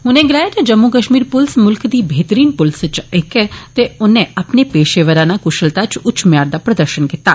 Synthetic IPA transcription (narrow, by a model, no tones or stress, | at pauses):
ɦʊnẽɡɪlaːet̪ed͡ʒɐmːukəʃmiːɾpʊlsmʊlkd̪iːbʱeːt̪ɾiːnpʊlst͡ʃekɛt̪eʊnẽɐpnepeːʃeʋəɾãnakʊʃəlt̪at͡ʃʊt͡ʃmjaːɾd̪apɾɐd̪əɾʃənkɪt̪aː